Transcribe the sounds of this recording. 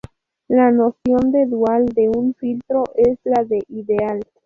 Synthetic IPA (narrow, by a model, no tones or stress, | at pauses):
lano̞sjo̞nd̪e̞d̪uald̪e̞unfilt̪ɾo̞ʔeslaðe̞ʔiðe̞al